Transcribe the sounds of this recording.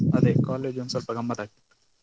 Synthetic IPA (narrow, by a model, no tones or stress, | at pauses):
ɐd̪ekaːleːd͡ʒunsɐlpɾɐɡɐmːɐt̪aːk̚i̥